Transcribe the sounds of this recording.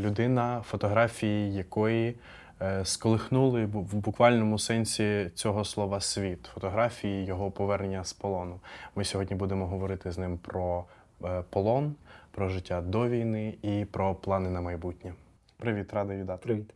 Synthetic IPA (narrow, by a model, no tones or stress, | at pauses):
lʲʊd̪ɪnɐfɔt̪ɔɦɾɑfʲijijɐkɔji | skɔlˠɪxnulˠɪʋbʊkʋɑlʲnɔmʊsɛnʲsʲit͡sʲɔɦɔslˠɔʋɐsʲʋʲit̪fɔt̪ɔɦɾɑfʲijijɔɦɔpɔʋɛrnnʲːɐspɔlˠɔnʊmɪsʲɔɦɔdʲnʲibud̪emɔɦɔʋɔɾɪt̪ɪznɪmpɾɔ | pɔlˠɔnpɾɔʒɪtʲːad̪ɔʋʲijnɪipɾɔplˠɑnɪnɐmɐjbutʲnʲɛ | pɾɪʋʲit̪ɾɑd̪ɐʋʲid̪ɑɾit̪